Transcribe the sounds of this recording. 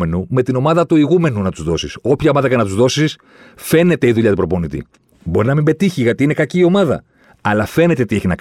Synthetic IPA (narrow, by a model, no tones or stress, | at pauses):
e̞nume̞t̪ino̞mɐðɐt̪uiɣume̞nunɐt̪uzðo̞siso̞pçɐo̞mɐðɐcenɐt̪uzðo̞sis | fe̞ne̞t̪e̞iðuʎɐt̪upɾo̞po̞nit̪ḭ | bo̞ɾinɐmimbe̞t̪içiʝɐt̪iine̞kɐciːo̞mɐðɐ̰ | ɐlɐfe̞ne̞t̪e̞t̪içinɐk